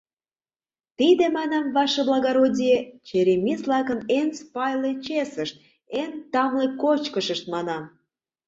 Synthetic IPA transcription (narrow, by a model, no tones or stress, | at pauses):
t̪id̪emɑnɑmvɑʃeblɑɣɑɾodʲijet͡ɕeɾemʲizlɑkənenspɑjlet͡ɕesəʃt̪̚ | ent̪ɑmlekot͡ɕkəʃəʃt̪̚mɑnɑm